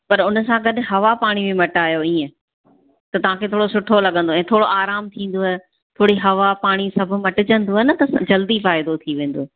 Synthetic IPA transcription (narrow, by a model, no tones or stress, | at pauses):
pɐɾʊnə̆sãɡɐɗɦɐʋapaːɽ̃ibɪmɐʈaːjoĩːə̃ | t̪ɐt̪ɐʋ̤ãːkʰet̪ʰoːɽosʊʈʰolɐɠə̃nd̪oɛ̃ːt̪ʰoːɽoʔaːɾaːmt̪ʰĩːn̆d̪oɦɛ | t̪ʰoːɽiɦɐʋapaːɽ̃isɐbʱʊ̆mɐʈɪd͡ʑə̃nd̪oɛnə̆t̪ɐsd͡ʑɐld̪ifaːɪd̪ot̪ʰiʋẽːn̆d̪oː